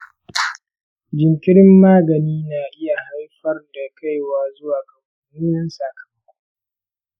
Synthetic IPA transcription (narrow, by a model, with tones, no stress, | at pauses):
d͡ʒɪ˨ŋkʲɪ˦ɽɪ˦mːaː˦ɡɐ˨niː˦naː˨ʔɪ˦ja˨ha˦jɸɐ˦rda˨kʰa˦jwaː˨zʊ˦waː˨kɐ˨mɐ˨˦nuː˦nɐ˦nsaː˨kʰɐ̥˨mɐ˦kʷu˦